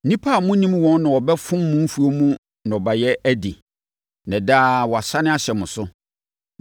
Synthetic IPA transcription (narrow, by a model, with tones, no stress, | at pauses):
nĩ˦pʰa˦˨mʊ̃˦nĩ˦m˦wɔ̃˦nnã˨wɔ˨bɛ˦fʊ̃˦mːʊ̃˦m̩˦fu˨o˦mũ˦ | nã˨ɔ˨ba˨jɛ˦æ˦di˨ | nɛ̃˨daː˦wɔ˨a˨sa˦nɪ̃˦a˦ɕɛ˨mʊ̃˨sʊ˦